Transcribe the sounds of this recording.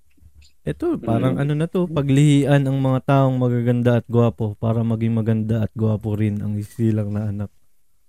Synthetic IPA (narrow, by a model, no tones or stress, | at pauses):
ʔɛt̪o̞paːɾɐŋʔɐno̞nɐt̪o̞pɐɡlɪhiːʔɐnɐŋmɐŋat̪aːʔo̞ŋmɐɡaɡɐnd̪aʔɐt̪̚ɡʊwaːpo̞paːɾɐmɐɡɪŋmɐɡɐnd̪aʔɐt̪̚ɡʊwaːpoɾɪnʔɐ̰ŋhɪsiːlɐk̚nɐʔɐnak̚